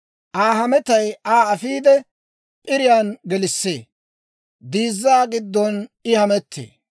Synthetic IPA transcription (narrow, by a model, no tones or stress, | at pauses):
ʔaːɦɐmɛt̪ɐjaːɐfiːd̪ɛ | pʼɪɾɪjaːnɡɛlɪsːḛː | d̪iːzːaːɡɪd̪ːɔnɪhɐmɛt̪ʰːḛː